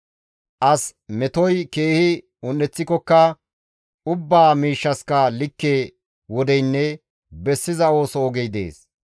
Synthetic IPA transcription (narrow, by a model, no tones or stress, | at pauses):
ʔɐsmɛt̪ɔjke̞ːhɪ | ʊnːɛt͡sːɪkːɔkːɐ | ʊbːaːmiːʃːɐskɐlɪkːeː | wɔd̪ɛjnːɛ | bɛsːɪzɐo̞ːsɔːɡejd̪ḛːs